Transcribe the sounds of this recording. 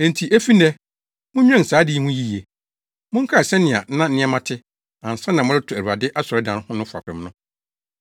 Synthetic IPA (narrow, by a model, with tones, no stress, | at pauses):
ɛ̃˨n̩˨tʰi˨ʔæ˦fi˦nɛ˦ | mʊ̃˦ɲᶣ˦ɛ̃˦˨saː˨˦dɪ˦i˦hũ˦ji˦je˨ | mʊ̃˦ŋ̩˦kʰa˦ɛ˨sɛ˦nɪ̃˨a˨˦nã˦n̩˦nɪ̃˦a˦mã˦tʰɪ˦ | ã˨n̩˨sã˦nːã˨mʊ̃˦ɾɪ˦tʰʊ˨æ˨u˨ɾa˨dɪ˦ʔa˦sɔ˨ɾɛ˦dã˨n˦hʊ̃˦nʊ̃˦fʊ˨a̰˨kʰɾɪ̃˨m˦nʊ̃˦